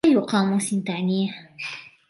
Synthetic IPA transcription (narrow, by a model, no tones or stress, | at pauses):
ajʊqɑːmusɪnt̪aʕniːh